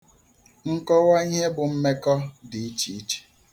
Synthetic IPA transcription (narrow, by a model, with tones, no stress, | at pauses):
ŋ̩˦kɔ˦wa˦ɲ˦e˦bʊ˨m̩˦me˦kɔ˦di˨i˦t͡ʃi˨i˦t͡ʃe̥˨